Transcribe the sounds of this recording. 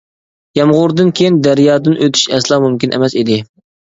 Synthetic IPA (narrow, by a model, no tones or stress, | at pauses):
jɑmʁʊɾd̪ɨnkʲʰejind̪æɾjɑːd̪ɨnʔøt̪ʰy̥ʃɛslˠɑmumkʲinʔɛ̰mɛsid̪ɪ